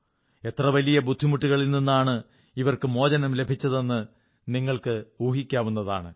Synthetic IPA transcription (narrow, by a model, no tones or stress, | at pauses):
e̞t̪rɐʋɐlijɐbud̪ʱːimuʈːiɣɐɭilninːaːɳɨ | iʋɐrkɨmo̞ːd͡ʑɐnɐmle̞bʱit͡ɕːɐðe̞nːɨ | niŋːɐɭkɨuːɦikʲːaːʋunːɐða̰ːɳɨ